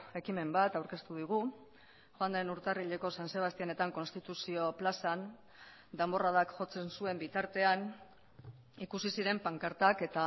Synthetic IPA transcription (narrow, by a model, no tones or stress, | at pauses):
e̞kime̞mbat̪awɾke̞st̪uðiɣ̞u | ʝoand̪enuɾt̪ariʎe̞ko̞sanse̞β̞ast̪iane̞t̪aŋko̞nst̪it̪usio̞plasan | d̪e̞mbo̞raðakʝo̞t͡se̞nsue̞mbit̪aɾt̪e̞an | ikusisiɾe̞mpaŋkaɾt̪ake̞t̪a